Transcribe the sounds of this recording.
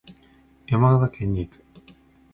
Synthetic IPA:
jamaɡaɡak̪ʰẽɲʲːikɯ̥

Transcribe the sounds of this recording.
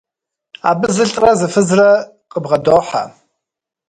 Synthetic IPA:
a̰ːbɨzɨɬtʼrɐzɨfɨzrɐ | qʼəbʁɐdoːħa̰

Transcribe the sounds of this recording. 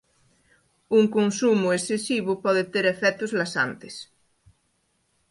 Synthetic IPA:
uŋkonsumuesesiβopɔðet̪eɾefɛt̪ozlasa̰nt̪es

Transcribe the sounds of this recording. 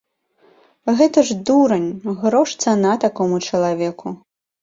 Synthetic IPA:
ɣɛt̪ɐʐd̪uɾɐnʲɣɾɔʂt̪sanat̪akɔmut͡ʂɐlˠavʲɛkʰu

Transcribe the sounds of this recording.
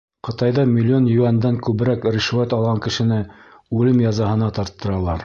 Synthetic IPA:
qɤ̆t̪ɑjðɑmʲilʲːɪo̞njʉænd̪æŋkʉβɘ̆ɾækɾiʃwæt̪ɑlˠʁɑŋkɘ̆ʃɘ̆nɘʉlɘmjɑzɑhɤ̆nɑt̪ɑɾt̪ːɤ̆ɾɑlˠɑɾ

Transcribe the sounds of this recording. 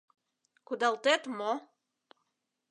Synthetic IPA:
kud̪ɑlt̪et̪mo

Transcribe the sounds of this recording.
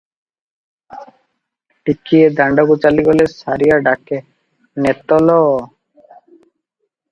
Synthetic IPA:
ʈikːied̪aɳɖaɡut͡ɕaliɡɔlesaɾijaɖakːe | nɛt̪ːɔlɔ

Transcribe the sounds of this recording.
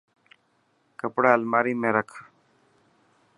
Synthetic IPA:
kəpɽaːəlmaːɾiːmẽːɾəkʰ

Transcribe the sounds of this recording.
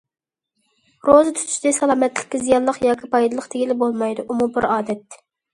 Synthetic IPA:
ɾozɨt̪ʰy̥t̪ʰy̥ʃd̪ɪsɑlˠɑːmɛt̪ʰlɪ̥kʲːɪzijɑlˠəqjɑːkʲʰipʰɑjd̪ɨlˠəqt̪ʰɪkʲilɪbolˠmɑjd̪uʔumubɪɾɑːd̪ɛt̪̚

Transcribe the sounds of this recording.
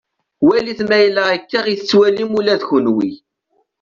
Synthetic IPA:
wæliθmæjlæækːaʁiθt͡sːwælimulæðʝunwḭ

